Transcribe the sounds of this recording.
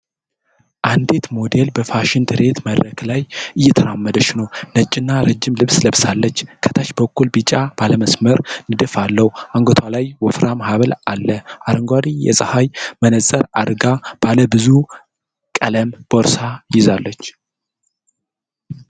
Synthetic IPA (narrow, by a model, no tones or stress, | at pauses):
ʔand̪et̪mo̞d̪elbəfaʃɪnt̪ʰɨɾe̞t̪məd̪ɾəklajʔɨjːɛt̪ʰəɾamːəd̪ət͡ʃːnəwnət͡ʃʼːɪnːaɾəd͡ʒːɪmlɨβsləβsalːət͡ʃːkʰə̥t̪ʰat͡ʃbəkːulbɨt͡ʃʼab̥aləməsməɾnɨd̪əfalːəwuʔaŋɡot̪ʰwalajwɔfɾamahaβəlalːəʔaɾəŋɡʷad̪ijɛ̰sʼɨhajmənəzʼəɾa̰d̪ɡab̥aləbɨzu | kʼələmb̥oɾsajɪzalːət͡ʃː